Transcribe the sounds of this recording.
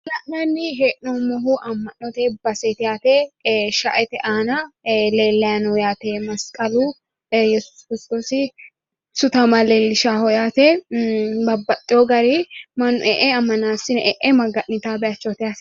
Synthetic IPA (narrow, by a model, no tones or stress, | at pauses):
lɐʔnɐnːɪɦeːʔnɔmɔɦuʔɐmːɐnːɔt̪ebɐset̪ɪjaːt̪eʃɐ̰ʔɛt̪ɛʔaːnɐleːlːɐjɐnɔjaːt̪eːmɐskʼɐlu | jɛsʊ̥skɾɪst̪oːsɪ | sʊt̪ɐmɐleːlːɪʃaːhɔjaːt̪ɛ | bɐbːɐt̪ʼːɪjɔɡɐɾimɐnʔɛʔɛɐmːɐnaːsɪnɛʔɛʔɛmɐɡɐʔnɪt̪aːbɛɐt͡ʃːɔt̪ɪjaːt̪